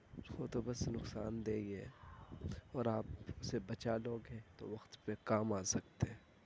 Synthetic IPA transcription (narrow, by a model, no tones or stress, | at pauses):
oːt̪obɐsnʊksa̰ːnd̪eːieː | ɔːɾaːpʊsebɐt͡ʃaloːɡɦɛ̃t̪o̰ʋɐxt̪pekaːmaːsɐkt̪eɦɛ̃ː